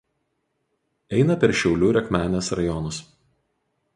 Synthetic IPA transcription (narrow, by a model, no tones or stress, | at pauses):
ɛɪnɐpʲɛɾʃʲɛʊlʲuːɾʲɛkmʲæːnʲesɾɐjɔnʊs